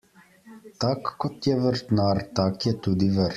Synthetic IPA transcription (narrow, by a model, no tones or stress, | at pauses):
t̪akːot̪jɛvəɾt̪naɾt̪akjɛt̪ud̪ivəɾ